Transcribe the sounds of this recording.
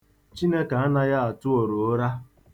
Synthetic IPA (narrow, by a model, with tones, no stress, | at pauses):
t͡ʃi˦ne˦ka˨a˦na˦ja˦a˨tʊ˦o˨ɾo˨o˦ɾa˦